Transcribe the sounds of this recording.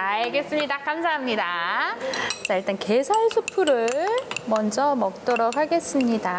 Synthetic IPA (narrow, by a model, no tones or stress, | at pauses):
aɡe̞s͈ɯmɲidakamsʰaɦamɲida | t͡ɕaiɭt͈anke̞sʰaɭsʰupʰuɾɯɭmʌnd͡ʑʌmʌk̚t͈ʌɾok̚ɦaɡe̞s͈ɯmɲida